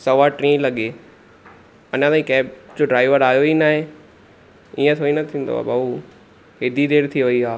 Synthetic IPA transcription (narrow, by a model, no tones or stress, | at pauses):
sɐʋaʈɾĩːlɐɠe | ɐɲãt̪aːĩkɛːbd͡ʑoːɖɾaːɪʋəɾaːjoinaːɦẽ | iːə̃t̪ʰoːinɐt̪ʰĩːn̆d̪o̰ba̰ːbauː | ɦed̪id̪eːɾt̪ʰiʋɐiaː